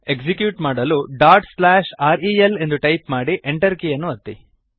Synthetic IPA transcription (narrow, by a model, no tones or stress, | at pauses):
e̞ksikjuːʈmaːɽɐluɖaːʈslaːʃaːɾiele̞nd̪uʈɐjpmaːɽiʔeɳʈɐɾkijɐnːuɐt̪ːḭ